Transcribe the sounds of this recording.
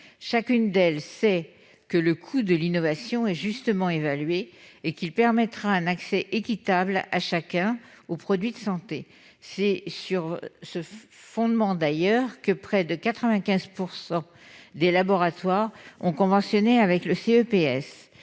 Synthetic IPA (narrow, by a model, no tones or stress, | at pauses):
ʃakʲynd̪ɛlsɛ | kələkʰud̪əlinɔvasjɔ̃ɛʒyst̪əmɑ̃evalɥeːkilpɛʁmɛt̪χaɛ̃naksɛʔekʲit̪ablaʃakʲɛ̃opχɔd̪ɥid̪əsɑ̃t̪e | sɛsyʁsəfɔ̃d̪mɑ̃d̪ajœʁkəpχɛd̪əkat̪χəvɛ̃kʲɛ̃zpuʁsɑ̃ | d̪elabɔʁat̪waʁɔ̰̃kɔ̃vɑ̃sjɔneavɛkləseøpeɛs